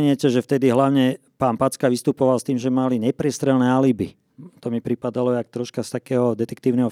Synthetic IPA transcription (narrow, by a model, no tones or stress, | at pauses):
ɲɪɛcɛʒɛft̪ɛd̪iɦlaʊɲɛ | paːnpat͡skaʋist̪upɔʋalst̪iːmʒɛmaliɲɛpɾɪɛst̪ɾɛlnɛalibi | t̪ɔmipɾipad̪alɔak̚t̪ɾɔʃkast̪akɛːɦɔd̪ɛt̪ɛkt̪iːʊnɛɦɔ